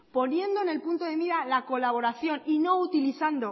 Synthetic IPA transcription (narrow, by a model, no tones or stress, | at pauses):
po̞nje̞nd̪oene̞lpunt̪oðe̞βiðalako̞laβo̞ɾaθjo̞nino̞ut̪iliθand̪o